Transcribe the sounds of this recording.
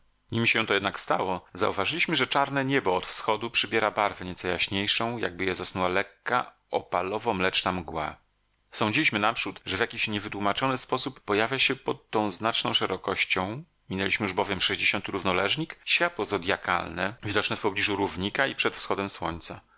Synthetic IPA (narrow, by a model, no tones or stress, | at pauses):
ɲimʲiɕɛ̃t̪ɔjɛd̪nakst̪awɔza̰uvaʐɘlʲiɕmɘʐɛt͡ʂaɾnɛɲɛbɔːt̪fsxɔd̪upʂɘbʲjɛɾabaɾvɛɲɛt̪sɔjaɕɲejʂɔ̃w̃ja̰ɡ̚bɘjɛzasnuwalɛkːa̰ | ɔ̰palɔvɔmlɛt͡ʂnamɡwa̰ | sɔ̃ɲd͡ʑilʲiɕmɘnapʂut̪ʐɛvʲjakʲiɕɲɛvɘt̪wumat͡ʂɔnɘspɔsupːɔjavʲjaɕɛpɔt̪ːɔ̃w̃znat͡ʂnɔ̃w̃ʂɛɾɔkɔɕt͡ɕɔ̃w̃ | mʲinɛlʲiɕmɘjuʐbɔvʲjɛmʂɛʑd͡ʑeɕɔnt̪ɘɾuvnɔlɛʐɲikɕfʲjat̪wɔzɔd̪ʲjaka̰lnɛvʲid̪ɔt͡ʂnɛfpɔblʲiʐuɾuvɲikaipʂɛt̪fsxɔd̪ɛmswɔ̰ɲt̪sa